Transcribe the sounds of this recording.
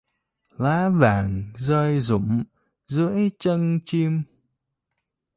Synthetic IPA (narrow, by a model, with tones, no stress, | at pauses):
laː˨˦vaː˧˩ŋzəː˧jzʊ̰˧˩˨ŋ͡m | zɨ˧˥əjt͡ɕə˧nt͡ɕi˧əm